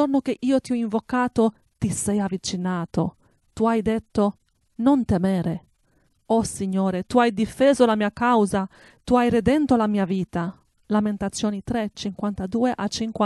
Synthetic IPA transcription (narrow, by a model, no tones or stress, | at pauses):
ornok̟eʔiːot̪iɔiɱvokaːt̪o | t̪isɛjavːit͡ʃinaːt̪o̰ | t̪uajd̪et̪ːo | nont̪emɛːɾe | ɔsiɲːoːɾet̪uajd̪ifeːzolamiːakawza | t̪uajred̪ɛnt̪olamiːaviːt̪a | lament̪at̪sːjoːnit̪ɾet͡ʃiŋkwant̪ad̪uːeʔat͡ʃːiŋka